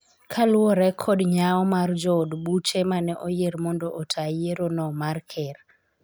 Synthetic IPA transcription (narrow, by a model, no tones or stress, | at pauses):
kʰalʊɔɾɛkʰɔdɲaɔmard͡ʒɔdbut͡ʃɛmanɛʔojeɾmɔndoʔotʰajeɾonɔmarkʰɛr